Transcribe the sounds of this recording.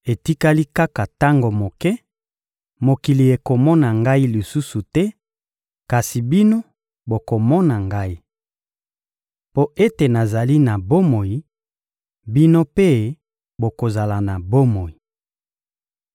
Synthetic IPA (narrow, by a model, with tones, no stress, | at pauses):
e˨ti˦ka˦li˦ka˦ka˨ta˦ŋɡo˨mo˨kɛ˦ | mo˨ki˨li˨e˨ko˨mɔ˦na˨ŋɡa˦i˦li˨su˦su˨tɛ˦ | ka˨si˨bi˦no˦ | bo˨ko˨mɔ˦na˨ŋɡa˦i˦ | po˦e˦te˨na˨za˨li˦na˨bo˦mo˨ji˨ | bi˦no˦pe˦ | bo˨ko˨za˨la˨na˨bo˦mo˨i˨